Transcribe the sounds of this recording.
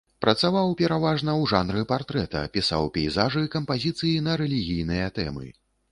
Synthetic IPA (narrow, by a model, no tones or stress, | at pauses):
pɾɐt̪savawpʲɛɾavaʐnɐwʐanɾɨpart̪ɾɛt̪ɐ̰pʲisa̰wpʲɛjzaʐɨkɐmpazʲit̪sɨjinɐɾɛlʲiɣʲijnɨjɐt̪ɛ̰mɨ̰